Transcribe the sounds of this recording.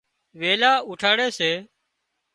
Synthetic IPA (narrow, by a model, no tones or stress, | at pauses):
ʋeːlaːʊːʈʰaːɽeːseː